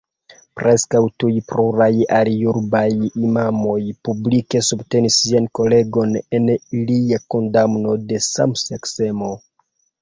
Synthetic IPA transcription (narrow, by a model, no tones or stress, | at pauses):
pɾʔe̞skawtujpɾuɾajalijuɾbajimamo̞jpublike̞subte̞nisːianko̞le̞ɡo̞ne̞niliako̞ndamno̞de̞sa̰msekse̞mo̞